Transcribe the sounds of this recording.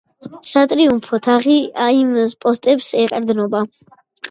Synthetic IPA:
sat̪ʼɾiumpʰɔt̪ʰaʁiaimspʼɔst̪ʼɛpsɛqʼɾd̪nɔba

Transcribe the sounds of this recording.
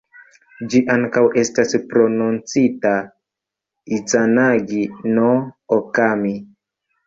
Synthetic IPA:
d͡ʒiʔaŋkawe̞staspɾo̞nunt͡sita | it͡sanaɡinookami

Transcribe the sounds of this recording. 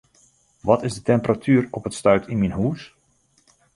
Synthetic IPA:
ʋɔtɪzdətɛmpəratʰyːrɔpətstœɥtʰinminɦuːs

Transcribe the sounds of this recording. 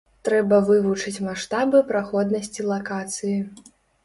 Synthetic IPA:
t̪ɾɛbɐvɨvut͡ʂɨt͡sʲmaʂt̪abɨpɾaxɔd̪nɐsʲt͡sʲilˠakat̪sɨji

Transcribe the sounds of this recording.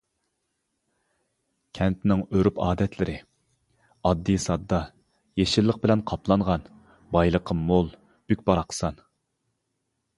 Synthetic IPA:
kʲʰɛnt̪nɪŋøɾypɑːd̪ɛt̪ʰlɪɾɪ | ɑd̪ːisɑd̪ːɑ | jeʃɪlˠːəq̚bɪlɛnqʰɑpʰlˠɑɴʁɑn | bɑjlˠəqʰəmolˠ | b̥ykʲbɑɾɑqʰə̥sɑn

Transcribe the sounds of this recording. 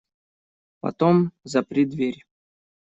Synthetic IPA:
pɐ̰t̪omzɐpɾʲid̪vʲeɾʲ

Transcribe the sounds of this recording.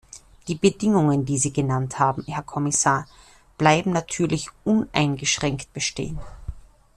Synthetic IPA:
d̥iːbədɪŋʊŋəndiːziːɡənanthaːbm̩hɛɐkʰɔmɪsaːɐ | b̥laɪbm̩natʰyːɐlɪçʔʊnʔa̰ɪnɡəʃʁ̥ɛŋkt̚b̥əʃtḛːən

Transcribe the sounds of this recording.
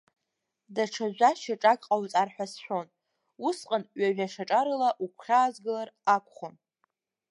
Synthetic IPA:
daʈ͡ʂʰaʒʷaʃaʈ͡ʂʼakʼqʼawt͡sʼarħʷasħʷᶣo̞n | usqʼanɥaɥᶣaʂaʈ͡ʂʼaɾɨlaʔukʷʰχʲaːzɡɨlarakʷʰʼχon

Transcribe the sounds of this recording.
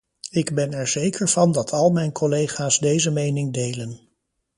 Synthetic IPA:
ɪɡbɛnɛɹz̥ejkʰəɹv̥ɑndɑtʰɑlˠmɛjnkɔlejχaːsdejzəmejnɪŋdejlən

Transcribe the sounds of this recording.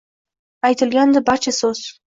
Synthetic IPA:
ajt̪ʰɪlɡʲand̪ɪbaɾt͡ʃʰasɵz̥

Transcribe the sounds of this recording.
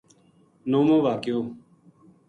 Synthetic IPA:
noːmõːʋaːkɪjoː

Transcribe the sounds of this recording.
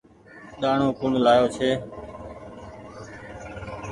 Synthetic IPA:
ɗ̪aːɳõːkʊɳlaːjoːt͡ʃʰeː

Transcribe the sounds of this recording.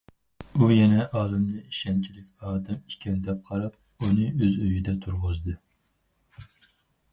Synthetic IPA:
ujɛnɛʔɑːlˠɨmd̪ɨiʃɛnt͡ʃʰilɪkʲɑːd̪ɛmikʲʰɛnd̪ɛp̚qʰɑɾɑp̚ | unɨøzøjid̪ɛt̪ʰuɾʁʊzd̪ɨ

